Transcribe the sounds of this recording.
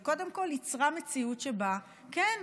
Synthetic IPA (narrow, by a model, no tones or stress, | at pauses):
ko̞demko̞lit͡sʁame̞t͡siutʃeba | ken